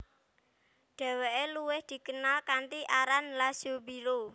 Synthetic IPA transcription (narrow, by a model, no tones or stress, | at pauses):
ɖ̥ɛ̤weʔeluwɪhd̪̥i̤kənalkant̪iʔaɾanlasobiɾo